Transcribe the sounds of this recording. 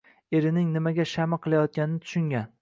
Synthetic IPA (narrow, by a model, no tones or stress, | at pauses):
eɾɪnɪŋnɪmaɡʲaʃamɪqʰɨlˠajɒt̪̚kʲanɪnɪt̪ʰʊ̥ʃʊŋɡʲan